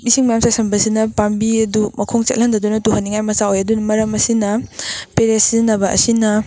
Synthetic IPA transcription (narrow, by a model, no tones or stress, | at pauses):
misiŋmɐjamsajsɐmbɐsinɐpambiɐdumɐkʰoŋt͡ʃḛt̚lɐndɐdunɐtuɦɐnːiŋajmɐsaojɐdunmɐɾɐmɐsinɐpeɾesinɐbɐʔɐ̰sinɐ